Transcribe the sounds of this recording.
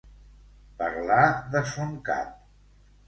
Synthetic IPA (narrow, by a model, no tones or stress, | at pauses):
pəɾlaðəsoŋka̰t̪̚